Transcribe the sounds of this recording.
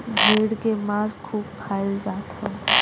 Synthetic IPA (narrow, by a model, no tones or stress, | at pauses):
bʱeːɽkemaːzkʰuːb̚kʰaːɪld͡ʒaːt̪hɛ̃ː